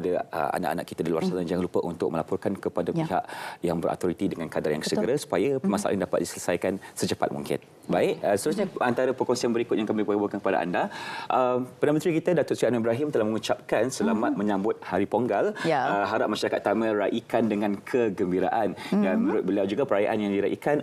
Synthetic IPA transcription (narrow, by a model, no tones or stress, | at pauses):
adaə̰a̰na̰ʔa̰na̰ʔkit̪adilua̰rsanad͡ʒaŋanlupəʔunt̪ʊ̰k̚məlapɔrkankəpadapiɦa̰ʔjaŋbəɾʔa̰t̪ɔɾit̪idəŋankadarja̰ŋksəɡəɾasu̥pajapəmasa̰ʔa̰ʔɲdapat̪̚disələsajkansət͡ʃəpa̰t̪̚mṵŋkɪ̰n | baɪʔ̚sət̪əɾusɲaant̪aɾapəkɔŋsianbəɾikʊt̪̚jaŋkamibuabukankə̥pada̰ʔa̰ndaʔəmpənanəmə̃nt̪ɾikit̪adat̪ʊt̪sɾianuibɾaɦɪmt̪əlahməŋut͡ʃap̚kansəlamat̪̚mə̃ɲãmbʊt̪̚haɾipoŋɡaləɦaɾap̚maʃaɾakat̪̚ːamə̃ɾaʔikandəŋãnkʰəɡəmbiɾa̰ʔandanmənuɾʊt̪̚bəliawd͡ʒuɡapəɾaja̰ʔanjaŋdiɾaʔḭkan